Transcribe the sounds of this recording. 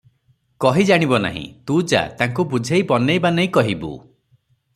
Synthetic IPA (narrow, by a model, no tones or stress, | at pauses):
kɔɦid͡ʒaɽ̃ibɔna̰ɦḭ̃t̪ud͡ʒa̰t̪aŋkubud͡ʒʱejbɔnejbanejkɔɦibṵ